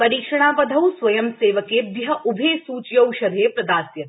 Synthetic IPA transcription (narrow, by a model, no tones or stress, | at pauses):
pɐɾiːkʂɐɳ̃aːʋɐd̪ʱɐwsʋɐjɐmseːʋɐkeːb̪iɦɐʔubʱeːsuːt͡ʃjɐwʃɐɾʱeːpɾɐd̪aːɾsjɐt̪